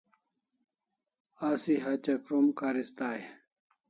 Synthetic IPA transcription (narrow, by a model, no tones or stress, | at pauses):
asiɦɐt͡ɕɐkɾumkaːɾist̪aːj